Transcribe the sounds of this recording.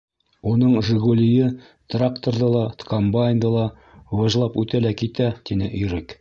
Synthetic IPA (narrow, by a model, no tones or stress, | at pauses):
unɤɴʒɘ̆ɡolʲijɘ | t̪rakt̪orðɤlˠɑt̪kombajnd̪ɤlˠɑ | wɑʒlˠɑpʉt̪ælækit̪æt̪inɘʔɵ̆jɾɘk